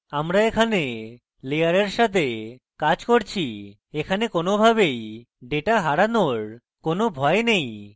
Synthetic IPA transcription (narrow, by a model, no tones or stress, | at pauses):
amɾaekʰane | lejaɾeɾʃat̪ʰe | kad͡ʑkoɾt͡ɕʰi | ekʰanekonobʱaβej | ɖeʈaɦaɾanoɾ | konobʱɔenej